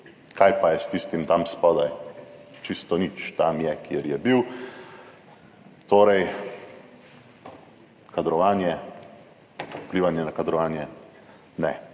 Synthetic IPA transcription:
kajpajɛst̪iːst̪imt̪amspɔd̪ajt͡ʃist̪ɔnit͡ʃt̪amjɛkeɾjɛbiw | t̪oːɾɛj | kad̪ɾɔʋaːnjɛ | upliːʋanjɛnakad̪ɾɔʋaːnjɛ | nɛ

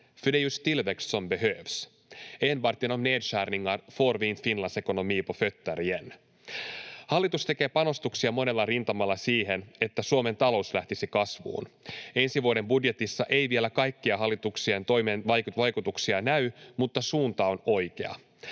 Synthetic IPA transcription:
fydejust̪ilʋekssombeɦøːʋs | enʋɑrt̪inomnedʃæːrniŋːɑnfo̞ːrʋiːnfinlɑnse̞kono̞miːpofø̞t̪ːæɾien | hɑlːit̪ust̪e̞ke̞ːpɑno̞st̪uksiɑmo̞ne̞lːɑrint̪ɑmɑlːɑsiːɦe̞ne̞t̪ːæsuome̞nt̪ɑlo̞uslæht̪isikɑsʋṵːne̞nsiʋuode̞mbudje̞t̪isːɑʔe̞jʋie̞lækɑjkːiɑɦɑlːit̪uksient̪o̞jmenʋɑjkuʋɑjkut̪uksiɑnæymut̪ːɑsuːnt̪ɑo̞no̞jke̞̰ɑ̰

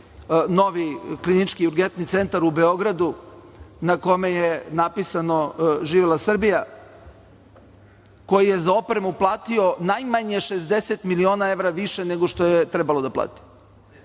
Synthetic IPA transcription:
no̞ʋiklinit͡ʃkiuɾɡent̪nit̪se̞nt̪aɾube̞o̞ɡɾad̪u | nako̞mejenapisanoʒiːʋelˠasr̩bija | ko̞jijezao̞pɾemuplˠaːt̪io̞najmaɲeʃezd̪eset̪milio̞ːnae̞ʋɾaʋiʃeneɡoʃt̪o̞jet̪ɾebalod̪apla̰ːt̪i̥

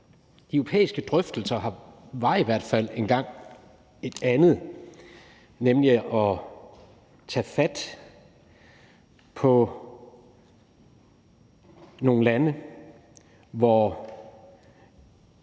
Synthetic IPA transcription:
d̥eʊopʰḛːisɡ̥əd̥ʁœfd̥l̩sɐɦɑ̈ʋɑ̈iʋæɐ̰d̥fæl̰e̝nɡ̥ɑ̈ŋ̰ | e̝d̥ænð̞̩ˠ | nemliɒ̽ | t͡sʰɛ̰ːfæd̥ | pʰɒ̽ | no̝ːn̩lænə | ʋɒ

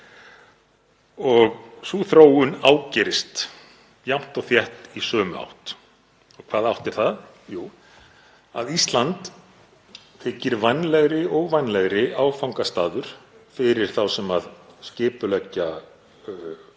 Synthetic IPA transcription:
ɔɣsuːθɾoːwʏnaːwcɛːɾɪst̪ | jam̥t̪ɔɣθjɛht̪isœːmʏa̰wht̪ | ɔɣkʰvaːðawht̪ɪɾ̥θað | juː | a̰ðist̪lant̪ | fʰɪːcːɪɾvajnlɛɣɾɪɔɣvajnlɛɣɾɪʔaːwfawŋkast̪aːðʏɾ̥fɪɾɪɾ̥θawsɛmaðscɪːpʏlɛcːa

